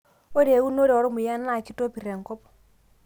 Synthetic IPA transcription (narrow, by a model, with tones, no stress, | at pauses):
o˦ɾe˨wu˦no˦ɾe˨o˨ɾo˦mu˨ja˦n˦a˨ki˦to˦pi˨ɾe˨ŋ˨kɔ˦pɔ̥˦